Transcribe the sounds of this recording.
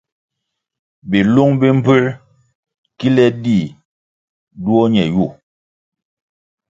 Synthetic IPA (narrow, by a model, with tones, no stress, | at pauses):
bi˨lu˦ŋbi˦m̩˦pʉ˦ɾ | ki˦lɛ˦di˦˨ | du˦o˦ɲɛ˨ju˦˨